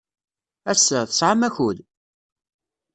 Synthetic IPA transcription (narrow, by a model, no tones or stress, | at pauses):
æsːəθə̥sʕamæçuð